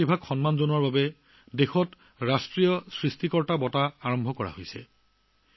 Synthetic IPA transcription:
ibʱaɡxɔnmanzonɔɹbabɛ | dexɔt | ɹastɹijɔsɹistikɔɹtabɔtaaɹɔmbʱɔkɔɹa̰hojsɛ̰

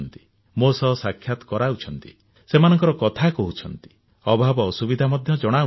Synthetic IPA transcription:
nt̪i̥ | mosɔsakʰːjat̪ɔ̥kɔɾaut͡ʃʰɔnt̪i | semanɔŋkɔɾɔkɔt̪ʰakɔɦut͡ʃʰɔnt̪i̥ | ɔbʱabɔːsubid̪ʱamɔd̪ʱjɔd͡ʒɔɽ̃au

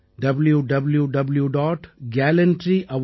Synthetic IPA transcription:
ɖɐbljuɖɐbljuɖɐbljuɖɔːʈɡæːlɐ̃ɳʈɾiʔɐʋ

